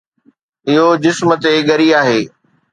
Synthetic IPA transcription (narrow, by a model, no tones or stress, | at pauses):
ɪɦod͡ʑɪsmə̆t̪eɠɐɾiaːɦeː